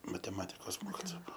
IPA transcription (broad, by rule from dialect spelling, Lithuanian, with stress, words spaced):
mɐtʲɛˈmɑːtʲɪkoːs ˈmoːkʲɪtoːɐ ˈbuɔ